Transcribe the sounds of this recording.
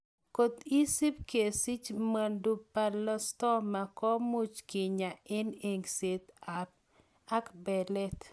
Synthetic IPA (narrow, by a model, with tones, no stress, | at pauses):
ko˨t̪i˦si˦p̚ke˨si˦t͡ʃma˨ndu˦pa˨lɔ˦stɔ˦ma˨kɔ˦mu˦t͡ʃkɪ˨ɲa˨ɪ˦ne˨ŋse˨t̪a˨p̚ | a˦kbɛ˨lɛ˦t̪